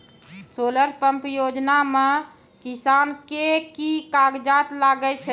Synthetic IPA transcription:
soləɾpəmpjod͡ʒname | kisankekikaɡd͡ʒat̪laɡɛt͡ʃʰɛ

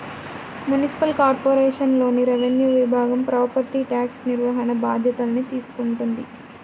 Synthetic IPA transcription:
munisi̥pɐlkaːɾpoːɾeːʂɐnlo̞ːniɾeʋenjuːʋibʱaːɡɐmpɾaːpɐɾʈiʈaːksniɾʋɐɦɐnɐbaːd̪ʱjɐt̪ɐlɐnit̪iːsu̥kuɳʈund̪i

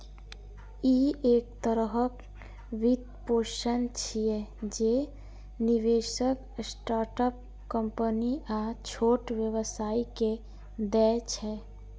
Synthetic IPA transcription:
iekt̪əɾəɦək | ʋid̪̚poʃənt͡ʃʰijed͡ʒe | niʋeʃək | sʈaːɾʈəp̚ | kəmpəniat͡ʃʰoʈʋjəʋəsaːike | d̪ɛt͡ʃʰɛ

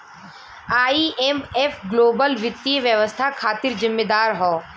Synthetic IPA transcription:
aːiʔemefɡloːbəlʋɪt̪ːiʋjəʋəst̪ʰakʰaːt̪ɪɾzɪmːed̪aːɾɦɔː

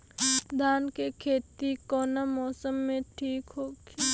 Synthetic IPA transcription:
d̪ʱaːnkekʰeːt̪ikɔːnamɔːsəmːẽʈʰiːkɦoːɡi

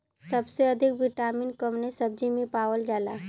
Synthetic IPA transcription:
səbseɐd̪ʱɪkʋɪʈaːmɪnkəmnesəb̚d͡ʒimẽpaːwəld͡ʒaːlaː

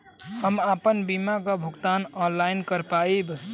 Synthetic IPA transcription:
həmapənbimakəbʱuɡt̪anɔnlajnkəɾpaib

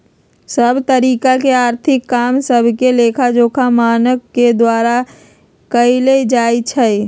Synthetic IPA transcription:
səbʱt̪əɾiːkakeaːɾt̪ʰɪkːaːmsəbʱkeleːkʰad͡ʒoːkʰamaːnəkːed̪waːɾa | kəiled͡ʒaːit͡ʃʰɛi

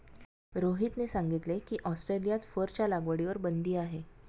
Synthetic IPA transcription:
ɾoɦiːt̪nesaŋɡit̪lekiːʔɔsʈɾelijat̪fəɾt͡ɕjalaɡʋəɽiʋəɾbənd̪ʱiːaɦe

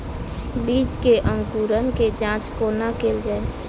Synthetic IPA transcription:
biːd͡ʒkeʔə̃ŋɡkuːɾənked͡ʒãːt͡ʃkoːnakeːld͡ʒaːe

